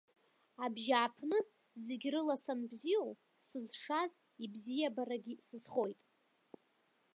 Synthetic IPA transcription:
abʒaːpʰnɨ | zeɡʲrɨlasanbziow | sɨzʂaz | ibzijabaɾaɡʲisɨzχo̞jtʼ

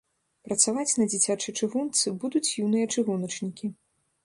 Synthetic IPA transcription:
pɾɐt̪savat͡sʲnɐd͡zʲit͡sʲat͡ʂɨt͡ʂɨɣunt̪sɨbud̪ut͡sʲjunɨjɐt͡ʂɨɣunɐt͡ʂnʲikʲi

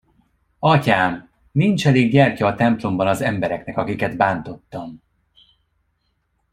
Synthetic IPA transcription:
ɒcaːmː | int͡ʃɛleːɡɟɛrcɒːt̪ɛmplo̞mbɒnɒzɛmbɛɾɛknɛkɒkikɛd̪baːnt̪o̞t̪ːɒm

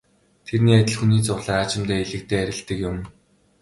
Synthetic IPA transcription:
t̪ʰerniːæt̪ʲɪ̆ɮxuniːt͡sʊɮaːat͡ɕɪ̆mt̪æːiɮɘ̆k̚t̪eːæɾʲɪ̆ɬt̪ə̆kjʊm

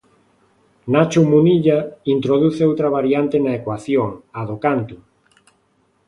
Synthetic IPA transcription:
nat͡ʃumuniʎaint̪ɾoð̞uθeowt̪ɾaβaɾjant̪enaekwaθjoŋaðokant̪u

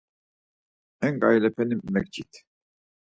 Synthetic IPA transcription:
ɛŋɡajlɛpʰɛnimːɛk̚d͡ʒit̪

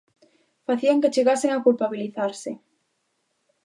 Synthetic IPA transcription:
faθiaŋket͡ʃeɣasɪŋakulpaβiliθaɾsɪ

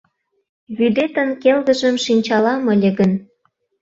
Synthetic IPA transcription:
βyd̪et̪ə̆nkelɣə̆ʒə̆mʃinʲt͡ɕɑlɑmə̆lʲə̆ɣə̆n

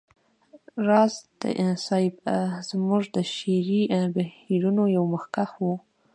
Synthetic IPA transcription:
ɾɑzd̪̥ə̰ʔɪnsɑjbzmuʐd̪əʃeɾibahiɾunojawməxkaxwu

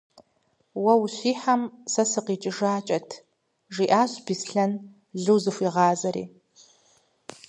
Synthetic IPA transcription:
wɐwɕʷiːħamsɐsɨqit͡ʃʼɪʐaːt͡ʃʼɐtʰ | ʐiʔaːɕʷbisɬɐn | ɮɨwzɨfʷiʁɑːzɐɾḭː

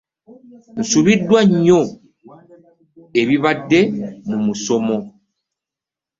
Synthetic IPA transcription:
n̩subidwaɲo | ebiβadɛmumusɔmɔ

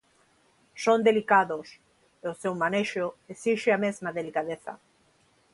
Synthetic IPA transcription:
sõnd̪elikaðos | eosewmaneʃoesiʃeamezmaðelikaðeθa̰

